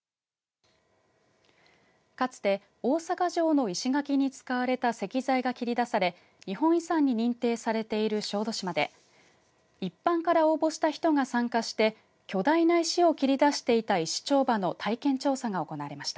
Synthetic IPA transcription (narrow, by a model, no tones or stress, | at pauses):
kat͡sɨ̥t̪e̞ | o̞ːsakaʑo̞ːno̞iɕiɡakʲiɲ̟it͡sɨ̥kaβaɾe̞t̪ase̞kʲizaiɡakʲiɾʲid̪asaɾe̞ | ɲ̟ihõ̞ɰ̃isãɲ̟ːiɲ̟ĩnt̪e̞ːsaɾe̞t̪e̞iɾɯ̟ɕo̞ːd̪o̞ɕimad̪e̞̰ | ipːãŋkaɾao̞ːbo̞ɕi̥t̪açi̥t̪o̞ŋasãŋkaɕi̥t̪e̞ | kʲo̞d̪ainaiɕio̞kʲiɾʲid̪aɕi̥t̪e̞it̪aiɕi̥t͡ɕo̞ːbano̞t̪ʰaikẽ̞ɲt͡ɕo̞ːsaŋao̞ko̞naaɾe̞maɕi̥t̪a